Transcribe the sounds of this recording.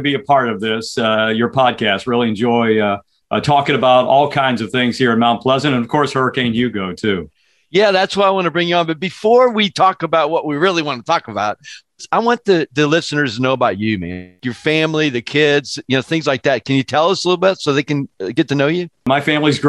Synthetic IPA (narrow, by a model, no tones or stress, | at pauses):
ɨbiɨpʰɑɹɾʌvðɪsʌjə˞pʰɑd̚kʰæst̚ɹɪlˠiɨ̃nd͡ʒɔɪʌ | tʰɔkɪ̃ŋɨbaʊɾɔlˠkʰãɪ̃ndzʌv̥θɪ̃ŋz̥hiɹɨ̃nmaʊ̃npʰl̥ɛzɨ̃ñtɨ̃nʌv̥kʰɔɹshɜ˞ɨkʰẽɪ̃njɨɡoʊtʰʉ | jæðætswaɪaɪwɑ̃nɨbɹɪ̃ŋjʉə̃nbʌt̚b̥ɨfɔɹwitʰɔkəbaʊt̚wʌʔ̚wiɹɪlˠiwɑ̃nətʰɔkəbaʊt̚ | aɪwɑ̃nðɨðɨlɪsɨnə˞znoʊəbaʊt͡ʃɨmæ̰̃jə˞fæ̃mliðɨkʰɪdz̥jɨnoʊθɪ̃ŋzlaɪk̚ðæt̚kʰɨ̃njɨtʰɛlˠʌsəlɪɾl̩ˠbɪtsoʊðeɪkɨ̃nɡɛtʰɨnoʊjʉmaɪfæ̃mlizɡ